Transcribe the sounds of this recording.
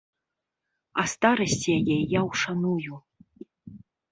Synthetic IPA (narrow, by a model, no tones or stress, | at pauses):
ɐst̪aɾɐsʲt͡sʲijajɛjawʂanuju